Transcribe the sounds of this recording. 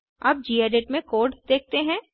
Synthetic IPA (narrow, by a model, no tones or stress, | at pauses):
ɐb̚d͡ʒiːeːɖeʈmẽkoːɾɖd̪eːk̚ʰt̪eɦɛ̃ː